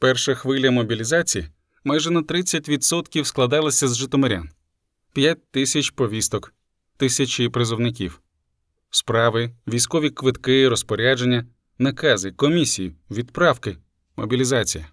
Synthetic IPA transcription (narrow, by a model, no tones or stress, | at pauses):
pɛrʃɐxʋɪlʲɐmɔbʲilʲizɑt͡sʲiji | majʒɛnɐt̪ɾɪt͡sʲːɐtʲʋʲid̪sɔt̪kʲiwsklˠɐd̪ɑlˠɪsʲɐzʒɪt̪ɔmɔɾʲa̰n | pʲjatʲt̪ɪsʲɐt͡ʃpɔʋʲist̪ɔk | t̪ɪsʲɐt͡ʃʲipɾezɔwnɪkʲḭw | spɾɑʋɪʋʲijsʲkɔʋʲikʋɪt̪kɪiɾɔspɔɾʲad͡ʒenʲːɐ | nɐkɑzɪkɔmʲisʲijiʋʲid̪pɾɑwkɪ | mɔ̰bʲilʲizɑt͡sʲijɐ